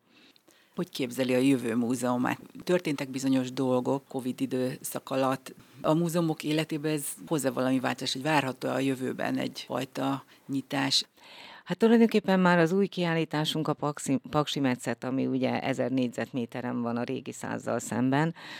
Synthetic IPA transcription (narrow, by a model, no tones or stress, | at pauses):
ho̞ckeːbzɛliɒjøvøːmuːzɛoma̰ːt̪t̪ørt̪eːnt̪ɛɡ̚bizo̞ɲo̞ʒd̪o̞lɡo̞kːo̞vid̪id̪øːsɒkɒlɒt̪ːɒmuːzɛomo̞keːlɛt̪eːbɛnɛzho̞zavɒlɒmiva̰ːlt̪ozaːʃho̞ɟvaːrɦɒt̪o̰ːɒjø̞vøːbɛ̰nɛ̰ɟfɒ̰jt̪ɒ | ɲit̪aːʃ | hat̪ːulɒjd̪o̞ŋkeːpːɛmːaːɾɒzuːjkiaːliːt̪aːʃuŋkɒpɒksipɒkʃimɛt̪sɛt̪ɒmḭuɟɛ̰ɛ̰zɛrneːɟzɛt̪meːt̪ɛɾɛɱvɒnɒɾʔḛːɡisa̰ːzːɒ̰lsɛ̰mbɛn